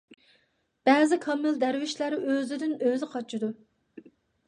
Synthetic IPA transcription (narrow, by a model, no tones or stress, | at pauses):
b̥ɛːzɪkʰɑmɪld̪æɾwɪʃlæɾɪøzɪd̪ɪnøzɪqʰɑt͡ʃʰid̪u